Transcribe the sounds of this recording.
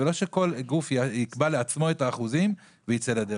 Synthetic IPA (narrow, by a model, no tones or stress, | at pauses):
elo̞ʃe̞ko̞lɡufaikbaleat͡smo̞e̞taːχuzim | vejit͡selad̪e